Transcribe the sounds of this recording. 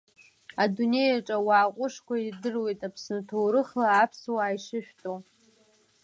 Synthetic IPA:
adune̞jaʈ͡ʂʼawaːqʷʼʊʂkʷaidɨrwe̞jtʼapʰsnɨtʰowɾɨχlaːpʰswaːjʂɨʃᶣtʼo

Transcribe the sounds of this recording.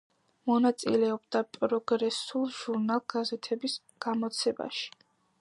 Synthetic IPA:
mɔnat̪sʼḭlɛɔbd̪apʼɾɔɡɾɛsulˠʒ̥uɾnalˠɡ̥azɛt̪ʰɛbis | ɡ̥amɔt̪sʰɛba̰ʃi̥

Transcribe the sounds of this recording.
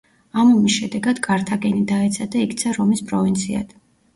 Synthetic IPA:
amɔmisʃɛd̪ɛɡad̪ɡʼaɾt̪ʰaɡɛnid̪aɛt̪sʰad̪aikt̪sʰaɾɔmispʼɾɔvint̪sʰia̰d̪̥

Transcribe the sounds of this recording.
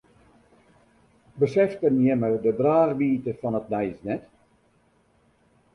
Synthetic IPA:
bəsɛftənjɛmədədraːχʋiːtəfɔnət̚nɛjsnɛt

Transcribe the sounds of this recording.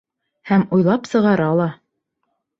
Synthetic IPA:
hæmujlˠɑpsɤ̆ʁɑɾɑlˠɑ

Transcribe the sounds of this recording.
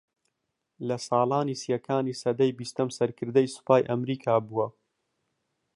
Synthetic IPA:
lɐsɑːlˠaːniːsijɐkaːnisɐd̪ɐjbist̪ɐmsɐɾkʰɨɾd̪ɐjsu̥paːjʔɐmɾiːkʰaːbuwɐ

